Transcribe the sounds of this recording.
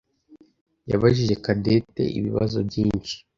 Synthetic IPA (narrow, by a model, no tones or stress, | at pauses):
jaβaʒiʒe̞kade̞te̞̰ʔiβiβa̰zo̞bɟiːnʃi̥